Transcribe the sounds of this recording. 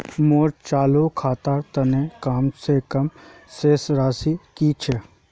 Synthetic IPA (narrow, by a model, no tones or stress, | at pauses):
moːɾt͡ʃaːlokʰaːt̪aːɾt̪ɐnekaːmsekɐm | seːsɾaːsikiːt͡ʃʰe